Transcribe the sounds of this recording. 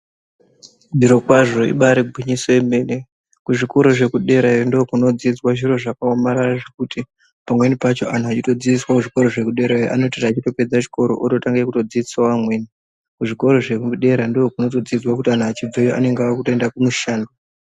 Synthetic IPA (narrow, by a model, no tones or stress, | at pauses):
viɾo̞kwaʐo̞ḭɓaɾeɡʱwiɲisoeme̞ːne̞ | kuʐikoɾo̞ʐe̞kuɗe̞ɾaondokuno̞d͡zid͡zwaʐiɾo̞ʐakaomaɾaraʐekuti | pamwe̞nipat͡ʃo̞ʔan̤uat͡ʃito̞d͡ziswakuʐiko̞ɾo̞ʐe̞kuɗe̞ɾaʔa̰no̞tiraːt͡ʃito̞pe̞d͡zat͡ʃi̥ko̞ɾo̞̰ʔoto̞taŋɡekuto̞d͡ziiswawamweːni | kuʐiko̞ɾo̞ʐe̞kɗe̞ɾandoːkuno̞to̞d͡zid͡zwakutian̤uat͡ʃib͡vejoʔa̰ne̞ŋɡakutoendakumuʃaːndo